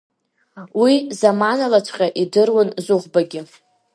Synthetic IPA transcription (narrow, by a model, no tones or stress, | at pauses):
wizamanalat͡ʃʷʰʼqʲʼaʔidɨrwanzuχʷbaɡʲɪ